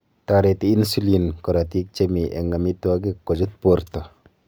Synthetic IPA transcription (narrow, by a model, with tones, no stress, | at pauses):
t̪a˧ɾe˨˧t̪iː˦nsu˦linkɔ˨ɾa˨t̪i˦k̚t͡ʃe˦mi˨ʔḛ˨ŋɡa˨mi˧t̪u˦a˧k̬i˦kːɔ˨d͡ʒu˦t̪̚po˦ɾt̪ɔ˨